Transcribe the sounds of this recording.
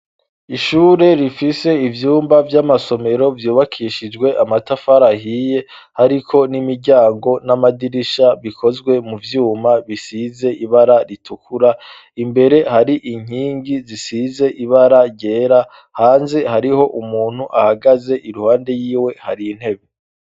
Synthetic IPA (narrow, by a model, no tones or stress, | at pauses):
iʃuːɾe̞ɾifise̞ivjuːmbavjamaso̞me̞ɾo̞vjuːβakʰiːʃid͡ʒɡwe̞ʔamatafaɾahije̞ | haɾikʰo̞nimiɾɟaːŋɡo̞namadiɾiʃaβikʰo̞zɡwe̞muvjuːmaβisize̞iβaɾaɾitʰukʰuɾa | imbe̞ɾe̞haɾiʔiŋ̥iːŋɡizisize̞ʔiβaɾaɟeːɾa | haːnze̞haɾiho̞ʔumuːn̥uʔahaɡaze̞ʔiɾuhaːnde̞jiːwe̞haɾin̥he̞βe